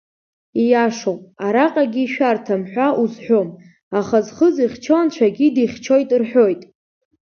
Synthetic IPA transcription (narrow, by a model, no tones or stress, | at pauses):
ijaʂowpʼaɾaqʼaɡʲiːʃᶣartʰamħʷaʔuzħʷᶣom | aχazχəziχʲt͡ʃʰont͡ʃʷʰaɡʲidiχʲt͡ʃʰo̞jtʼrħʷᶣo̞jtʼ